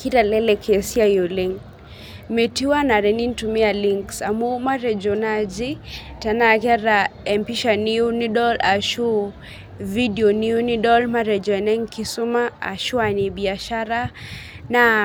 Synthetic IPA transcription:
kiɾalɛlɛkʰɛsiajoleŋ | mɛtiwanaɾɛnintumialiŋksamumaɾɛd͡ʒɔnad͡ʒi | tanakɛɾaɛmpiʃaniuniɗɔlaʃu | vidiɔniunidɔlmaɾɛd͡ʒɔɛnɛŋkisumaa̰ʃuanibiaʃaɾa | na

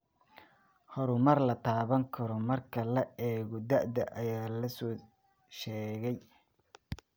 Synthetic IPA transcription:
hɔɾʊmɐrlɐt̪ʰaːβɐŋkʰɐɾɔmɐrkʰɐlɐɛːɣɔd̪ɐʔd̪ɐʔɐjaːlɐsɔː | ʃɛːɣɛj

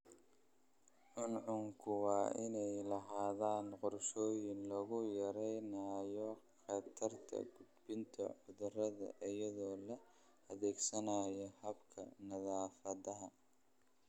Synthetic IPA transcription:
ʕʊnʕʊŋkʰʊwɑːʔɪnɛjlɐɦaːðaːnqʊrʃɔːjɪnlɐɣʊjɐɾɛjnaːjɔχɑt̪ʰɐrt̪ʰɐ̰ɡʊd̪bɪnt̪ʰɐ̰ʕʊðʊrɐðɐ̰ʔɪjɐðɔːlɐ | ɐðɛːɡsɐnaːjɔhɐbkʰɐ̰nɐðaːfɐðɐɦɐ

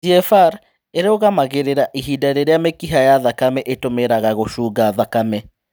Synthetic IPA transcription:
d͡ʒiɛfaɾ | eɾeoɣamaɣeɾeɾaʔiɦidaeɾeɾeamekiɦajaðakamɛʔetomeɾaɣaɣoʃuːɣaðakamɛ

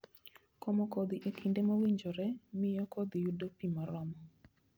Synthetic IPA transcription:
kɔmɔkod̪iʔekʰindemawiɲd͡ʒoɾɛmɪjɔkod̪ijudopimaɾɔmɔ

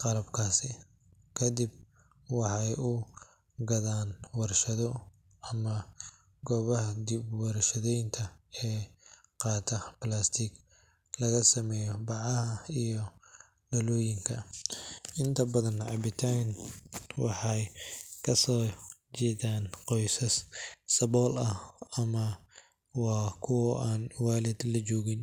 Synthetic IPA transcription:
qɑlɐbkʰaːsɪ | kʰɐd̪ɪb̚ | wɑħɑjʊ | ɡɐðaːnwɐrʃɐðɔ | ɐmɐ | ɡɔːβɐhɐd̪ibwɑrʃɐðɛjnt̪ʰɐɛː | qɑːt̪ʰɐplaːst̪ʰiɡ | lɐɣɐsɐmɛːjɔbɑʕɑhɐijɔ | ɖɐlɔːjɪŋkʰɐ | ʔɪnt̪ʰɐbɐðɐnʕɑ̰bɪt̪ʰanwɑ̰ħɑjkʰɐsɔːt͡ʃɛːðaːnqɔjsɐssɐβɔːlɐhɐmɐ | wɑːkʰʊwɔʔaːnwaːlɛd̪lɐt͡ʃɔːɣɪn

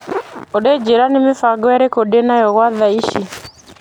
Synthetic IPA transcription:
ɔɗɛd͡ʒeɾanɪmɪfaɡɔɛɾɛkɔdɛnajɔɣwaðaiʃi

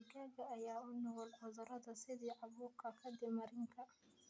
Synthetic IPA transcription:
ɡaːɡɐːjaːʊnɔʁɔlʕɔðɐɾɐðɐsɪðiːʕɑβuːrkʰɐkʰɐd̪ɪmɐɾɪŋkʰɐ

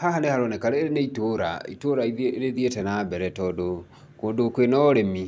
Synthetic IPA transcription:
hahanehaɾɔnɛkaɾeneitoɾa̰ḭtoɾaiɾeðietɛnabɛɾɛtɔdo | koːndokwenɔɔɾemi

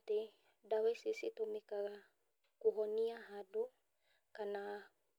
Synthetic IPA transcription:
t̪e | dawɛsisit̪omikaɣa | kuɦɔniaɦadu | kana

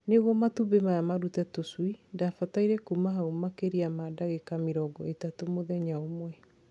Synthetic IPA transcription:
neɣwɔmatubemajamaɾutɛtoswidafataiɾɛkumaɦaumakeɾiamadaɣekameɾɔɡɔetatomoðɛɲaomwɛ

